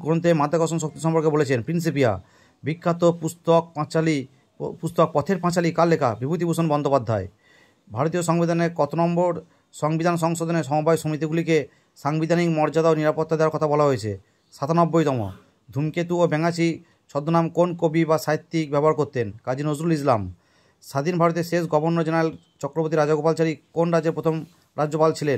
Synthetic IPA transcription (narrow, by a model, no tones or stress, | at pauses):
ɡɔont̪emad̪ʱakɔs̬ons̬ok̚t̪iʃɔmpɔɾkebolet͡ɕʰenpɾins̬ipia̰ | bikʰːat̪opust̪ok̚pãt͡ɕali | pust̪ok̚pɔt̪ʰeɾpãt͡ɕalikalːeka̰bibʱut̪̬ibusonbɔnd̪opad̪ʱːae | bʱaɾot̪̬ijoʃɔŋbid̪ʱaneɾkɔt̪onɔmboɾ | ʃɔŋbid̪ʱanʃ̬ɔŋʃod̪oneʃ̬ɔmobajʃomit̪̬iɡulike | ʃaŋbid̪ʱanikmɔɾd͡ʑad̪aoniɾapot̪ːad̪eoaɾkɔt̪ʰabɔlaɦojet͡ɕʰḛ | ʃat̪ʰanɔbːojt̪ɔmo̰ | d̪ʱumket̪uobɛŋat͡ɕʰi | ʃʰɔd̪ːonamkonkobibaʃajt̪ːik̚bɛbɔɦaɾkoɾt̪enkad͡ʑinozɾulis̬lam | ʃad̪inbʱaɾot̪̬eʃeʃɡɔbonːod͡ʑenaɾael | t͡ɕɔkɾopoɾt̪iɾad͡ʑaɡopalt͡ɕaɾikonɾad͡ʑeɾpɾot̪ʰom | ɾad͡ʑːopalt͡ɕʰilen